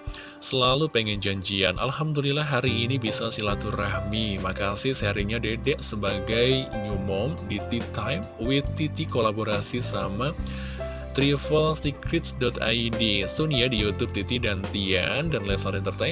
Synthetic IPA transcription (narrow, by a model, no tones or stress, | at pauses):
səlalupɛŋɛnd͡ʒaɲd͡ʒia̰nʔa̰lɦamdulilaɦaɾiːnibisasilat̪urahmimakasɪsaɾiɲadedɛʔsəbaɡajɲumɔmdit̪it̪ajmwit̪it̪ikolaboɾasisama | t̪ɾifəlsikɾit̪̚sdɔt̪a̰idisuniadijut̪up̚t̪it̪idant̪ia̰ndanlɛsaɾɛnt̪ərt̪aj